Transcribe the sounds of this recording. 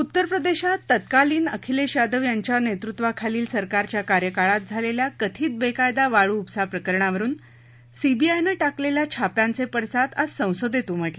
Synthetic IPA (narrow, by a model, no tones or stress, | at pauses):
ut̪ːəɾpɾəd̪eɕat̪ːət̪kaliːnəkʰileɕad̪əʋjaɲt͡ɕjanet̪ɾut̪ʋakʰaliːlsəɾkaɾt͡ɕjakaɾjəkaɭat̪̚d͡zʱaleljakət̪ʰiːt̪̚bekajd̪aʋaɭuːpsapɾəkəɾɳaʋəɾuːn | sibiajneʈakleljat͡ɕʰapjãnt͡sepəɽsat̪ad͡zsə̃w̃sod̪jet̪uːm̤əʈle